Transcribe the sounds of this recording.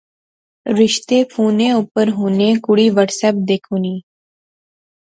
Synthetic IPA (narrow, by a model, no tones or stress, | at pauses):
ɾɪʃt̪epʰuːnẽʊpəɾɦoːnekʊɽiːʋəʈsəp̚d̪eːkʰuːniː